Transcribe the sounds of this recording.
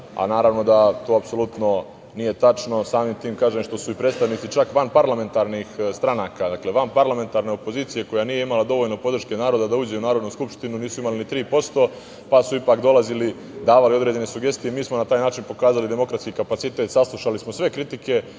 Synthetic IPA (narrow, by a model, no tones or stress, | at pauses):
a̰naːɾaʋno̞d̪at̪o̞ːapso̞lˠut̪no̞ | nije̞t̪at͡ʃno̞saːmimt̪iːmkaːʒemʃt̪o̞suipɾeːt̪st̪aʋnit̪sit͡ʃakʋanpaɾlˠame̞nt̪aɾnixst̪ɾanaːkad̪akle̞ʋanpaɾlˠame̞nt̪aːɾne̞o̞po̞ziːt̪sije̞ko̞janije̞imalad̪o̞ʋoʎno̞po̞d̪ɾ̩ʃke̞naːɾod̪ad̪auːd͡ʑeunaːɾo̞d̪nuskupʃt̪inuniːsuimalinit̪ɾiːpo̞st̪o̞ | pasuipaːkd̪o̞lˠazili | d̪aːʋalio̞d̪ɾe̞d͡ʑe̞ne̞suɡe̞st̪ijemiːsmo̞nat̪aːjnaːt͡ʃinpo̞kaːzalid̪e̞mo̞kɾat̪skikapat̪sit̪e̞t̪saslˠuʃalismo̞sʋe̞kɾit̪ike̞